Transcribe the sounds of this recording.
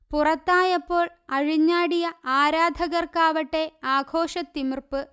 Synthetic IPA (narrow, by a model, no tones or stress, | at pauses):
purɐt̪ːaːjɐpːo̞ːɭ | ɐɻiɲːaːɽijɐaːɾaːd̪ʱɐɣɐrkaːʋɐʈːe̞aːɡʱo̞ːʂɐt̪ːimirpɨ